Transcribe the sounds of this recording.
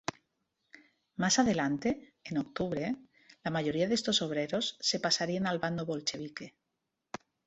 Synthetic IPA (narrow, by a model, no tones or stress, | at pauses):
masaðe̞lant̪e̞ːno̞k̚t̪uβɾe̞ | lamaʝo̞ɾiaðe̞st̪o̞so̞β̞ɾe̞ɾo̞sːe̞pasaɾienalβand̪o̞βo̞lt͡ʃe̞β̞ike̞